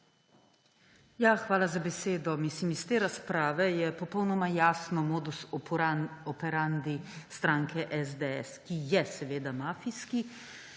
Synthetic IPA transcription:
jaxʋaːlazabɛseːd̪ɔmislimist̪eːɾaspɾaːʋɛjɛpɔpɔwnɔmajaːsnɔmoːd̪usɔɔpɛɾand̪ist̪ɾaːŋkʰɛʔɛzd̪eɛ̰skijɛsɛʋeːd̪amaːfiski

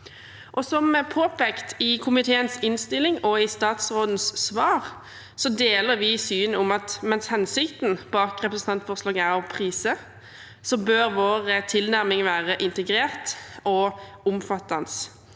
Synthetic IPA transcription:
ʔɔsɔmpʰoːpʰeːkt̪ɪkʰʊmɪt̪ʰeːənsɪnst̪ɪlːɪŋɔɪst̪ɑːt̪sʁoːd̪n̩ssʋɑːʁ | sɔd̪eːləɾʋɪsyːnʊmɑt̪mɛnshɛnsɪkt̪n̩b̥ɑːkʁɛpɾəsn̩ɑnt̪fɔʁslɑːɡæʁɔpʰʁiːsə | sɔbøːɾʋoːʁət̪ʰɪlnæʁmɪŋʋæːʁəʔɪnt̪əɡɾeːʁt̪ɔ | ʊmfɑt̪ːɑns

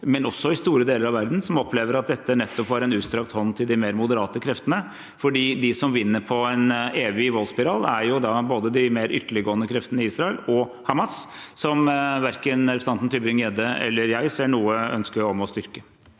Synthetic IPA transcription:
mɛnɔsːɔɪst̪uːɾəd̪eːləɾɑʋæɾd̪nsɔmɔpʰːleːʋəɾɑt̪̚d̪ɛt̪ːəɳɛt̪ːɔpʋɑɾɛnʉːst̪ɾɑk̚t̪hɔnːt̪ʰɪld̪ɪmeːɾmʊd̪əɾɑːt̪əkʰɾɛft̪ənə | fɔɖiːd̪ɪsɔmʋɪnːəɾpʰɔæneːʋɪʋɔlspɪɾɑːlæɾjʊd̪ɑboːd̪əd̪ɪmeːɾʔʏ̰t̪ːəɭɪɡoːənəkʰɾɛft̪ənɪiːsɾɑəlɔhɑmɑsː | ɔmʋæɾkənɾɛpɾəsɑnt̪n̩t̪ʰybɪŋɛd̪əɛ̰lːəɾjæɪseːɳuːəœ̰nskəɾɔmɔst̪ʏɾkə

